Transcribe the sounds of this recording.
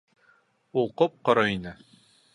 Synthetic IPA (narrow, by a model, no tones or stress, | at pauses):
ulˠqop̚qŏɾɤinɘ